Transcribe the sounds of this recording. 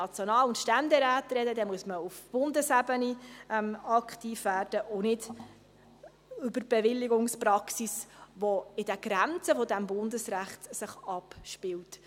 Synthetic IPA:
ɑt͡sjonɑːlʊntʃtændɛɾæːtɾɛdədɛmuəsməufb̥ʊndəsæbəniɛmɑkχtiːfvæːrd̥əʔʊnɪd | ʏbərb̥ɛʋɪlːɪɡʊŋspɾɑksisʋɔɪd̥ɛɡ̥ɾænt͡səfɔd̪æmbʊndəsɾæχt̪sɪχɑpʃpɪlt

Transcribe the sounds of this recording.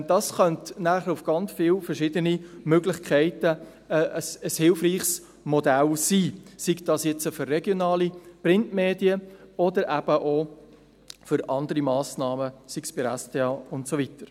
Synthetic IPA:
d̥ɑːsχœntnæːχəʊfɡ̥ɑnt͡sfɪːlfəɾʃɪdənimøɡlɪχkʰɛɪtə | ʔəsəshɪlfriːχs | mɔdælsiːsikd̥ɑsjɛt͡səfʏɾːɛɡjonɑːliprɪntmeːdiəɔdəɾʔæb̥əʔo | fʏɾɑndəɾimɑːsnɑːməsikspiɾæstʰeːɑːʊntsovitəɾ

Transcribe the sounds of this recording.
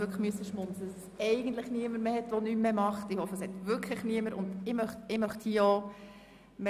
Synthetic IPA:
ʏkʰləmyəsəʃmʊnt͡səss | ɛɪɡən̩t̪ləχniəməɾmeːhɛt̪ʋonymmemɑχtɪhɔfːəshɛt̪vʏɾkʰləχniəməɾʊ̰nd̥̪ɪmœχtɪmœχthiəɔ | me

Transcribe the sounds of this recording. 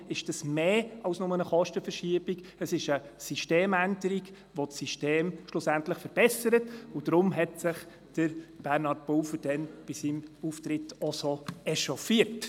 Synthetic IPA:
ɪʃd̥əsmeːɑʊsnʊmənəχɔʃtəfəɾʃiəb̥iɡ | əsɪʃəsiʃteːmændəɾiɡ | ʋotsiʃteːmʃlʊsæntləχfəɾb̥ɛsəɾətʊd̥ɾʊmɦɛtsɪχ | d̥əɾb̥æɾnɑɾt̚b̥ɔfəd̥ɛnb̥ɪsimuftɾɪtɔsoɛʃɔfiət

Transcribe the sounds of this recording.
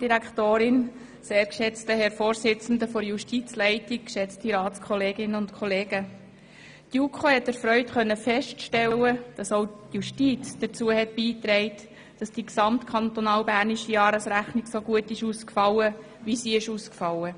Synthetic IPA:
d̥iɾækχtoːɾɪn | seːɾkʃɛt͡stəhɛɾfoːɾsɪt͡sn̩d̪əfɔɾjuʃtit͡slɛɪtik̚kʃɛt͡stiɾɑːtt͡skʰɔleːɡɪnːəʊntkʰɔleːɡə | tjukʰχohɛtəɾfɾœʏtχœnːəfɛʃtʃtɛwəd̥ɑsoʊtjuʃtiːt͡sd̥əɾt͡suəhɛt̚biːt̪ɾɛɪt | d̥ɑsd̥iksɑmtkʰχɑnt̪ɔnɑːwbæːrniʃijɑːɾəsɾæχniksoɡuətɪʃuskfɑwə | ʋisiɪʃuskfɑwə

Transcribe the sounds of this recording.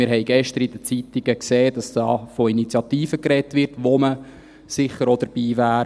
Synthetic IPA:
mɪɾɦɛɪɡ̥ɛʃt̪əɾid̥ət͡sit̪iɡ̥əkseːd̥ɑsd̥ɑ̰ːfɔinit͡sjɑt̪iːfəkrɛtʋɪrtʋomə | sɪχəɾɔd̥əɾb̥iːʋæːɾ

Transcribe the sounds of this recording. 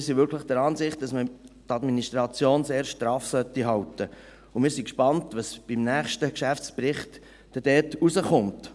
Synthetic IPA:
ɾsivʋʏɾkʰləχd̥əɾɑːnzɪχt̚d̥ɑsmətɑdminiʃtɾɑt͡sjoːnseːɾʃtɾɑːfsœtːiɦɑwtə | ʊmɪːɾsikʃpɑntʋɑsb̥imnæːχʃtəkʃæft͡sprɪχt | d̥ɛd̥ɛːtusəχʊnt

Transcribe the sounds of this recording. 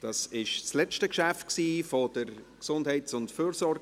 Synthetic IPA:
d̥ɑːsɪʃslɛt͡ʃtəkʃæft̚ksiːfɔd̥əɾksʊndhɛɪsʊntfyːɾsɔɾɡ

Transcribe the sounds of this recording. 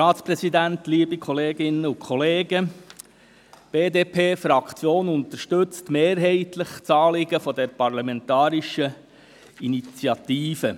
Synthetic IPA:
ɑːt̪t͡spɾɛsid̪ænt̪liːəbikʰχɔleːɡɪnːəʊkχɔleːɡə | b̥eːd̪eːpʰeːfɾɑkʰt͡sjoːnʊnt̪əɾʃtʉt͡stmeːɾɦɛɪtləχt͡sɑːlɪɡəfɔdɛɾpɑrlɑmɛntɑːɾiʃə | init͡sjɑtiːfə

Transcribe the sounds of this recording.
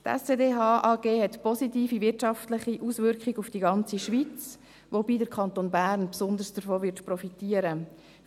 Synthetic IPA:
tɛ̰seːdeːɦɑːʔɑːɡ̥eːhɛt̪pɔsitiːfiʋɪtʃɑftlɪχiʔuːsʋʏɾkχɪɡufd̥iɡɑnt͡siʃʋit͡s | ʋobiːdəɾkʰχɑnt̪oːnbæːɾnpsʊnd̪əɾsd̥əɾfoːʋɪtprɔfitiːəɾə

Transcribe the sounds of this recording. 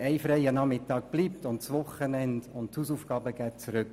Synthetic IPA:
ɛɪfɾɛɪjənɑmɪtɑːk̚b̥liːp̚tʊntt͡sʋʊχənɛnd̥ʊntthuːsuːfɡɑːbəɡ̥ɛːtt͡suɾʏk

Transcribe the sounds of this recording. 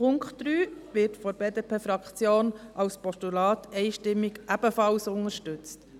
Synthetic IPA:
pʊŋkχtːɾyːʋɪɾtfɔɾbeːdeːpʰeːfɾɑkχt͡sjoːnʔɑlspɔstulɑːtʰɛɪʃtɪmːɪɡʔæb̥əfɑlsʊŋəʃtʉt͡st

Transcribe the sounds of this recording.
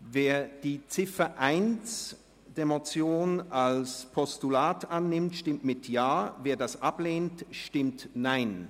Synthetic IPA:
veːɐd̥iːt͡sɪfɐʔaɪnt͡s | d̥eːɐmot͡sjoːnalspʰɔstulaːtanːɪmtʃtɪmtmɪtʰjaːveːɐdasʔapleːntʃtɪmtnaɪn

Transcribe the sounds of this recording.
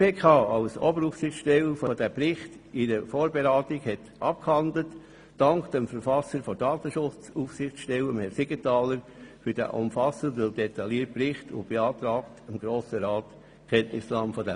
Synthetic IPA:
peːkʰɑːɑʊsɔ̰bəɾufsɪχtʃtɛlfɔd̥æpɾɪχtɪɾəfoːɾbeɾɑːtiɡhɛt | ʔɑp̚khɑndlətː | ɑŋkd̥ɛmfəɾfɑsəɾfɔdɑːt̪əʃʊt͡sufsɪχʃtɛləmhɛɾsɪɡ̥ətɑːləɾ | fyd̥æ̰ʔʊ̰mfɑsəndəldɛtɑliːət̚prɪχtʊ̰nb̥eɑːtɾɑːktəmɡɾoːsəɾɑːt | kʰɛntnɪslɑmfɔdɛ

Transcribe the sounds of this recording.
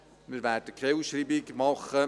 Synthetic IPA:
mɪɾvɛːd̥əkʰewʃriːbɪɡmɑχə

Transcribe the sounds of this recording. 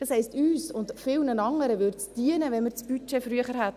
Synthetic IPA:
d̥ɑshɛɪstyːsʊntfɪlnənɑŋəɾəʋʏɾt͡sd̥iənəvɛnmɪːɾt͡sb̥yt͡ʃefɾyəχəɾhæt

